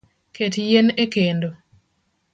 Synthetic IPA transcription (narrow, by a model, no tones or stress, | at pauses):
kʰetjenekendo